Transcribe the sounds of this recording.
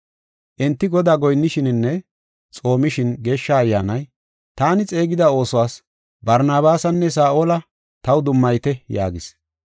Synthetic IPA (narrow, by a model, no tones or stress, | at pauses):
ʔɛnt̪ːɪɡɔd̪aːɡɔjnːɪʃɪnɪnːɛ | t͡sʼo̞ːmɪʃɪnɡe̞ːʃːɐːjːaːnɐj | t̪aːnɪt͡sʼe̞ːɡɪd̪ɐo̞ːsɔwaːs | bɐɾnaːβaːsɐnːɛs̬aːʔoːlɐ | t̪ɐwd̪ʊmːɐjt̪ɛja̰ːɡɪs